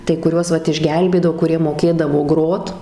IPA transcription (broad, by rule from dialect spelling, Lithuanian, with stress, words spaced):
tɐɪ kʊˈrʲuɔs ˈʋɐt ɪʒʲˈɡʲɛlʲbʲeːdɐʋoː kʊˈrʲiɛ moːˈkʲeːdɐʋoː ˈɡroːt